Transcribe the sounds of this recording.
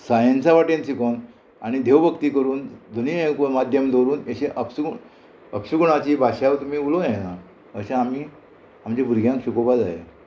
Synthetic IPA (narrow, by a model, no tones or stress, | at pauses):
sajənsaʋaʈẽnsikon | aɽ̃id̪ʱeʋbʱəkt̪iːkəɾuːnd̪ʱuniːekomad̪ʱjəmd̪ʱoɾuːneɕẽʔəpɕuɡ | əpɕuɡuɳ̃at͡ɕiːbʱaɕaʋt̪um̤iːulojana | əɕẽamiː | amd͡ʑebʱuɾɡʱjãŋkɕukobad͡zajḛ